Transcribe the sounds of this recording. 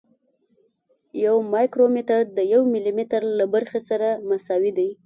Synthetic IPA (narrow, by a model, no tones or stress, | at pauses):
jawmɑjkɾomɪt̪aɾd̪əjawmɪlimɪt̪aɾlabaɾxesaɾamasɑwid̪aj